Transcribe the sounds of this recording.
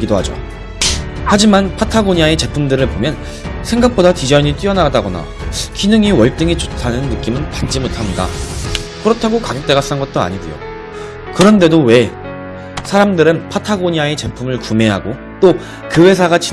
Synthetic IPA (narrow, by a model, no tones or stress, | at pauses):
ɡidoɦad͡ʑo̰ | had͡ʑimanpʰatʰaɡoɲiaet͡ɕe̞pʰumdɯɾɯɭpomjʌn | sʰe̞ŋɡak̚p͈odatid͡ʑʌiɲit͈iʌnadaɡʌna̰ | kinɯŋiwʌɭt͈ɯŋit͡ɕotʰanɯnːɯk͈imɯnkant͡ɕ͈imotʰamɲida̰kɯɾʌtʰaɡokaɡek̚t͈e̞ɡas͈anɡʌt̚t͈oa̰ɲiɡujo̰ | kɯɾʌnde̞dowe̞ | sʰaɾamdɯɾɯnpʰatʰaɡoɲiae̞t͡ɕe̞pʰumɯɭkume̞ɦa̰ɡo | t͈o | kɯwe̞sʰaɡat͡ɕi